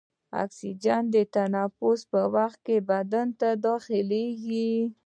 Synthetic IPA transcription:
a̰ksid͡ʒand̪ət̪anɑfʊspəwaxt̪̚kebad̪ant̪ad̪ɑxɪleɡi

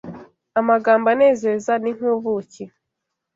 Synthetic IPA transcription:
amaɡaːmbane̞ːzezaniŋ̥uːβuce

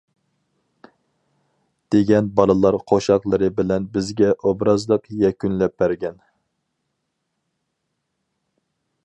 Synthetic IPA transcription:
d̪̥eɡʲɛnbɑlˠɨlˠɑɾqʰoʃɑqlˠəɾɨbɪlɛnbɪzɡʲɛʔobɾɑzlˠəqjɛkʲynlɛp̚bæɾɡʲɛn

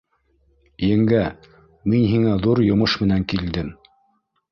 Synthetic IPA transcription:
jɘ̆ŋɡæ | minɦiŋæðuɾjŏmɤʃmɘ̆næŋkild̪ɘm

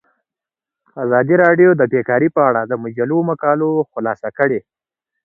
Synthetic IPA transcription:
azɑd̪iɾɑɖjod̪əbekɑɾipəaɽad̪əmʊd͡ʒalomakɑloxʊlɑsakəɽe

